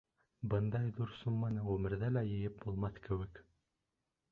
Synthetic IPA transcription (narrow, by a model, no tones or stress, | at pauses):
bɤnd̪ɑjðuɾsumːɑnɤʁɵmɘ̆ɾðælæjɘ̆jɘp̚bulˠmɑθkɘ̆wɘ̆k